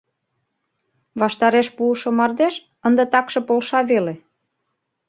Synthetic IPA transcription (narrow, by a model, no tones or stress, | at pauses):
βɑʃt̪ɑɾeʃpuəʃŏmɑrd̪eʃ | ənd̪ə̆t̪ɑkʃĕpolʃɑβele